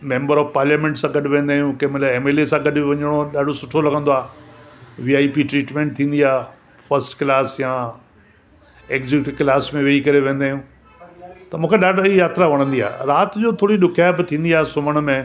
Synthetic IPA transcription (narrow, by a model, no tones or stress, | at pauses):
mẽːmbəɾɔːfpaːɾljaːmẽːɳʈsãɡɐɗɪʋẽːnd̪aːɦjũkɐmɪlaeːmeːlesãɡɐɗɪʋɐɲəɽ̃oɗaːɖʱosʊʈʰolɐɡʱə̃nd̪oaːɦ | ʋiːaːipiʈɾiːʈmẽːɳʈ̚t̪ʰĩːnd̪iaːɦ | fɐɾsʈklaːsjãː | eːkzɪkʈklaːsmẽʋeːikɐɾeʋẽːnd̪aːjũ | t̪ɐmũːkʰeɗaːɖʱijaːt̪ɾaʋɐɽ̃ə̃nd̪ia̰ːɾaːt̪ɪd͡ʑoːt̪ʰoːɽiɗʊkʰjabɪt̪ʰĩːn̆d̪iaːɦesʊməɽ̃ʊ̆mẽ